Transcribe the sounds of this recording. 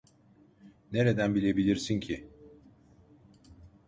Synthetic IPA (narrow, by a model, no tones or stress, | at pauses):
ne̞ɾed̪ænbilʲe̞bilʲiɾsincʰi